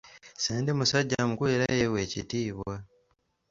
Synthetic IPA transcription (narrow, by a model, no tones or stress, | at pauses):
seːndimusaɟːamukweːɾajewe̞ːcḭtiːβwa